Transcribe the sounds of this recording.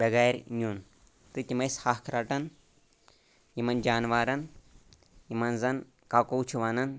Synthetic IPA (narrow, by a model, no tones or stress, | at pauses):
bʲɐɡaːjɾʲɲʲun | t̪ɨt̪ʲimɐjshahkʰɾaʈɐn | jimɐnd͡ʒaːnʋaːɾɐn | jimɐnzɐn | kakowt͡ʃʰuʋanɐn